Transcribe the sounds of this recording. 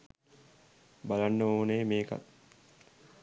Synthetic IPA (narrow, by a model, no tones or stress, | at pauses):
balanːəoːnejmeːka̰t̪